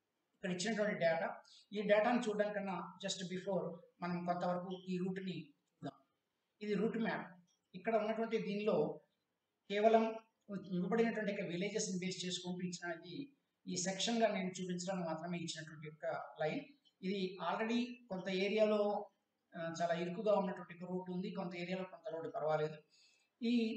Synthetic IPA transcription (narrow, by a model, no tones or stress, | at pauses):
ikːɐɽɐit͡ʃːinɐʈuʋɐɳʈiɖaːʈaːiːɖaːʈaːnit͡ʃuːɖ̪aːmkɐnːaːd͡ʒɐsʈbipʰo̞ːɾmɐnɐmkɔnt̪ɐʋɐɾɐkuiːɾuːʈnit͡ʃuːɖ̪aːm | id̪iɾuːʈmaːp | ikːɐɽɐunːɐʈuʋɐɳʈid̪iːnlo̞ː | kɛːʋɐlɐm | iɐbɐɽinɐʈuʋɐɳʈ̬ikːɐɐʋile̞ːd͡ʒesnibeːst͡ʃe̞ːsu̥kuːɳʈuːit͡ʃːinaːmid̪i | iːsɛkʂɐŋɡaːne̞ːnut͡ʃuːpiɲt͡ʃɐɾaːnmaːt̪ɾɐme̞ːit͡ʃːinɐʈʋɐɳʈijɔkːɐlɐjn | id̪iaːlɾeɽikont̪ɐeːɾijaːlo̞ː | t͡ʃaːlaːiɾkːuɡaːunːɐʈʋɐɳʈijɔkːɐɾuːʈund̪ikont̪ɐeːɾijaːlo̞ːkont̪ɐɾoːɽpɐɾɐʋaːle̞ːd̪u | i